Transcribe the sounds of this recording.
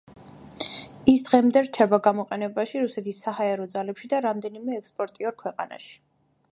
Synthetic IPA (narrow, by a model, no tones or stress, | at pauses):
isd̪ʁɛmd̪ɛɾt͡ʃʰɛbaɡamɔqʼɛnɛbaʃiɾusɛt̪ʰisːahaɛɾɔd̪zalɛpʃid̪aɾamd̪ɛnimɛːkspʼɔɾt̪ʼiɔɾkʰwɛqʼa̰na̰ʃi̥